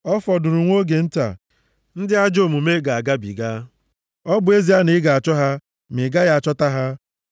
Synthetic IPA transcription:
ɔ˦fɔ˨dʊ˨ɾu˨ŋʷo˦ɡe˨n̩˦ta̰˨ | n̩˦dɪ˦a˦d͡ʒo˦˨mu˨me˦ɡa˨a˨ɡa˦bḭ˨ɡa˦ | ɔ˦bʊ˨e˦zi˦a˦nɪ˦ɡa˨a˨t͡ʃɔ˦ɦa˦ | me˨ɡa˦ja˦a˨t͡ʃɔ˦ta˦ɦa˦

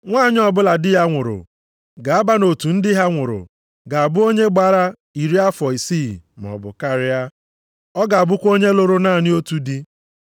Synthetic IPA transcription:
ŋʷaː˦˨ɲ˦ɔ˨bʊ˦la˨dɪ˦ja˦ŋʷʊ˨ɾʊ̰˨ | ɡa˨a˦ba˦no˨tu˨n̩˦dɪ˦ɦa˦ŋʷʊ˨ɾʊ̰˨ | ɡa˨a˨bʊ˦o˦ɲe˦ɡ͡ba˦ɾa˦ | i˨ɾi˦a˦fɔ˨i˨si˦˨m˨ɔ̰˨bʊ̰˨ka˦˨ɾɪ˦ja˦ | ɔ˦ɡa˨a˨bʊ˦kʷo˦ɲe˦lo˦ɾo˦na˦˨nɪ˦o˦tu˨dɪ˦

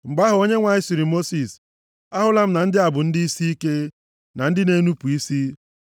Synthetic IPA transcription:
ŋ͡m̩˨ɡ͡ba˦ɦʊ˨o˦ɲe˦ŋʷa˨ɲɪ˦si˨ɾi˨mo˦si˨s | a˦ɦʊ˦la˦m̩˦na˨n̩˦dɪ˦a˨bʊ˨n̩˦dɪ˦i˦si˦i˦ke˦ | na˨n̩˦dɪ˦ne˦nu˦pu˨i˦si˦

